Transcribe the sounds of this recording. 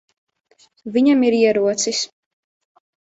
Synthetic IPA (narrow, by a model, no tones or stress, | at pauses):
viɲamiɾiɛɾuɔt̪sis